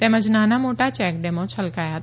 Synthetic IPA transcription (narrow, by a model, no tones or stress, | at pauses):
t̪ɛ̃ːmə̃d͡ʒnãːnamoːʈat͡ʃɛːkɖɛːmõt͡ʃʰɐlkaːjat̪